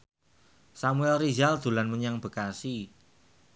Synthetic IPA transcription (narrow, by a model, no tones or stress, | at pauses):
samuɛlrizald̪̥ṳlanməɲaŋb̥ə̤kasi